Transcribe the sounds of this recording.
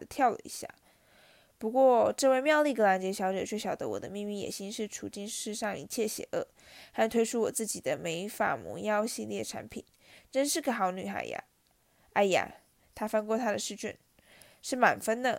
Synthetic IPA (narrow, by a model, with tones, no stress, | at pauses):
ə˦t̪ʰjɑ˥˧ʊlə̰˨˩ḭ˧˥ɕja̰˥˩ | pu˧˥kwɔ˥˧ʈ͡ʂɤ˥˧we˥˧ɪmjɑ˥˧ʊli˥˩kə˥la˧˥nt͡ɕjɛ˧˥ɕjɑ˧˥ʊʈ͡ʂɤ˨˩t͡ɕʰɥɛ˥˩ɕjɑ˨˩ʊd̪ə̰˦wɔ̰˨˩d̪ə̰˦mi˥˧ŋmi˥˩jɛ̰˨˩ɕi˥nʂɻ̩˥˩ʈ͡ʂʰu˧˥t͡ɕi˥ŋʂɻ̩˥˧ʂɑ˥˩ŋḭ˧˥t͡ɕʰjɛ˥˩ɕjɛ̰˧˥˦ʔɤ˥˩ | xa˥˩nt̪ʰwe˥ɪʈ͡ʂʰu˥wɔ˨˩t͡sɹ̩˥˩t͡ɕi˨˩d̪ə˦me˧˥ɪfa̰˨˩mṵ˧˥jɑ˥ʊɕi˥˧ljɛ˥˩ʈ͡ʂʰa̰˧˥npʰḭ˨˩˦n | ʈ͡ʂə˥nʂɻ̩˥˩ɡə˧˩xɑ˨˧˥ʊny˨˩xa̰˨˧˩ɪja̰˧˩ | a˧˩ɪja̰˨˩ | t̪ʰa˥fa˥nkwɔ˥˩t̪ʰa˥d̪ə˨ʂɻ̩˥˧t͡ɕy̰˥˩n | ʂɻ̩˥˩ma̰˨˩nfə˥nd̪ə˨